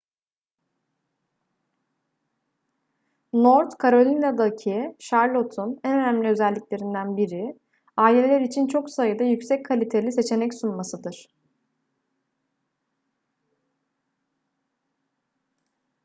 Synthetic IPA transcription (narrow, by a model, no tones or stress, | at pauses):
noɾt̪kʰaɾo̞lʲinad̪acʰiʃaɾlˠo̞t̪ʰunænø̞næmlʲiøzælʲːicʲlʲe̞ɾind̪ænbiɾɪ | aːlʲelʲlʲɛɾit͡ʃʰint͡ʃʰo̞ksajɯd̪ajycsɛckʰːalʲit̪ʰe̞lʲise̞t͡ʃʰe̞nɛcsunmasɯd̪ɯɾ̥